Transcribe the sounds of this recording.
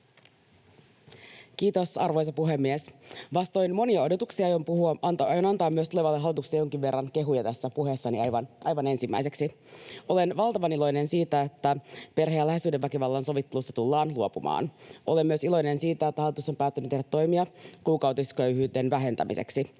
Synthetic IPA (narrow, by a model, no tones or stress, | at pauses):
k̟iːt̪o̞sɑrʋo̞jsɑpuɦe̞mːiesʋɑst̪o̞jnmo̞niɑo̞dot̪uksiɑjompuhuɑɑnt̪jonɑnt̪ɑːmyøst̪uleʋɑlːeɦɑlːˑit̪uksiɑjo̞ŋkiʋʋe̞rːɑnke̞ɦujɑt̪æsːæpuɦesːɑniɑjʋɑnʔɑjʋɑne̞nsimːæ̰iseksi | ʔo̞le̞nʋɑlt̪ɑʋɑnilo̞jne̞nsiːt̪æet̪ːæpe̞rɦejælæhesyːdeʋːækiʋɑlːɑnso̞ʋit̪ːe̞lusːɑt̪ulːɑːnluopumɑ̰ːno̞lemːyøsilo̞jnensiːt̪æet̪ːæhɑlit̪usompæːt̪ːynyt̪eɾdæt̪ːo̞jmiɑkuːkɑwt̪iskøɥhyːde̞nʋæɦe̞nt̪æ̰mʔḭsḛksi